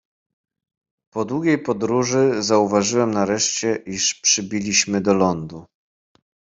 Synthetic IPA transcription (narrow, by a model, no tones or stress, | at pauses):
pɔd̪wuɡʲejpɔd̪ɾuʐɘzauvaʐɘwɛmnaɾɛʂt͡ɕɛʔiʂpʂɘbʲilʲiɕmɘd̪ɔlɔnd̪u